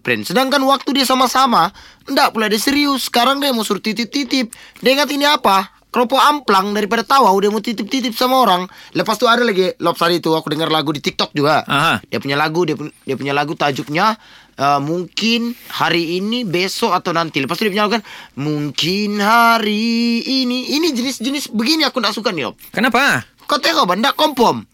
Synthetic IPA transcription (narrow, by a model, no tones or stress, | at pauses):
pɾɛ̰nsədaŋkanwak̚t̪udiasamasama | ndaʔpuladaseɾiʊsːə̥kaɾaŋdiamosuɾut̪ːit̪ip̚t̪it̪ɪp̚dəŋat̪iniapa | kɾɔpoamplaŋdaɾipadat̪awawdiamot̪it̪ɪp̚t̪it̪̬ɪp̚samaoɾaŋləpast̪uadalaɡilɔp̚saɾit̪uakudəŋərlaɡudit̪ik̚t̪ɔk̚d͡ʒuɡaɦdiapuɲalaɡudiadiapuɲalaɡut̪ad͡ʒʊk̚ɲa | əmuŋkɪnhaɾiːnibesɔat̪awnant̪iləpast̪udiap̬uɲalakukanmuŋkɪnhaɾiːniːnid͡ʒənɪsd͡ʒənɪsbəɡiniakundaʔsukanilɔ̰p̚kənapa | kot̪ekobandaʔkɔmpɔm